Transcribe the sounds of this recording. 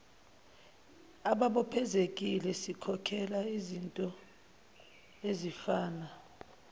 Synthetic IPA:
aɓaɓɔpʰɛzek̬ʼilɛsikʰɔkʰɛlaizintʼɔ | ezifaːna

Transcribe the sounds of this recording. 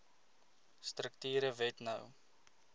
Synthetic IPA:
strək̚tyːɾəvɛtnəw

